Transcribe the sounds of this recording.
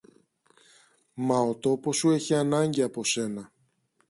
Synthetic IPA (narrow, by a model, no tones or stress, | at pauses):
mɐot̪o̞po̞sue̞çiɐnɐɲɟiɐpo̞se̞nɐ